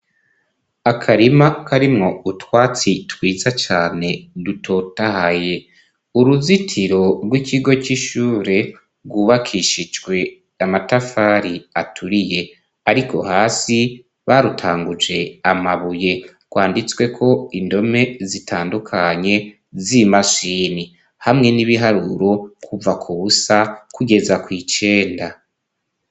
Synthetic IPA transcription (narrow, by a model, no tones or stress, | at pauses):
akʰaɾimakʰaɾimŋo̞utwaːt͡sitwiːzat͡ʃaːne̞dutʰo̞tahaje̞ | uɾuzitʰiɾo̞ɾɡwikʰiɡo̞t͡ʃiʃuːɾe̞ | ɡwuːβakʰiʃid͡ʒɡwe̞ | amatafaːɾiatʰuɾije̞ | aɾikʰo̞̰haːsi | βaɾutʰaːŋɡud͡ʒe̞amaβuje̞ | ɡwaːndit͡swe̞kʰo̞indo̞me̞zitʰaːndukʰaɲe̞ | zimaʃiːni | hamŋe̞niβiɦaɾuɾo̞kʰuvakʰuβusakuɡe̞zakwiːt͡ʃe̞ːnda